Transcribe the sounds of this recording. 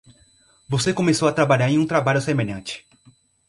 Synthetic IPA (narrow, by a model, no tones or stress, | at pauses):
vosekõmesowat̪ɾabaʎaɾẽj̃ũt̪ɾabaʎʊsemeʎɐ̃t͡ʃɪ̥